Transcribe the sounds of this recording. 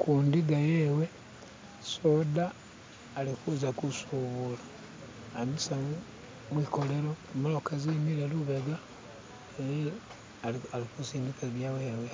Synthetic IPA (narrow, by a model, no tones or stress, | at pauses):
kʰuːndiɡajeːwe̞ | so̞daː | likuzakusuβulḁ | amisamu | mwiko̞le̞ɾomolokazimiɾeluβeɡa | eɾe | alikusiːndikaβjaweːwe